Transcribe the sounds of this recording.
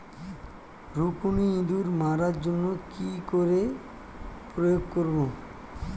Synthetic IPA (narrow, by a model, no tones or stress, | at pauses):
ɾukuniind̪uɾmaɾaɾd͡ʑonːokikoɾe | pɾojoɡkoɾbo